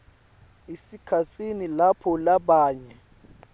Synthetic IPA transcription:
isikʰasʰʼinilapʰɔlaɓaːɲɛ

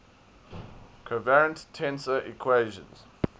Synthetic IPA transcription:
kʰəvɛɹə̃nttʰɛ̃nsəʔikʰweɪʒə̰̃nz̥

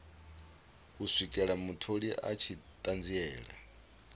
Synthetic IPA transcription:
usʷikʼɛɺamutʰoɺiʔa̰t͡ʃʰitʼand͡ziɛːɺa̰

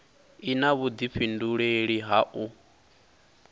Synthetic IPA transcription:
inaβud̪ipɸʰinduɺeɺiɦaʔu

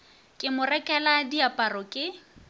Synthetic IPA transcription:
kʼɪmʊrɛkʼɛladiapʼarɔkʼɪ

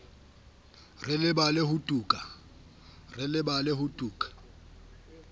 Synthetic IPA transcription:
rɪlɪbalɪhʊtʼuːkʼa | rɪlɪbalɪhʊtʼuːkʼḁ

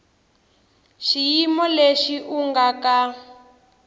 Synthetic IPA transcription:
ʃijimɔleʃiʔuŋɡaka

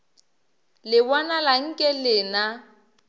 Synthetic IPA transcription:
lɪbanalaŋ̩kʼɛlɪna

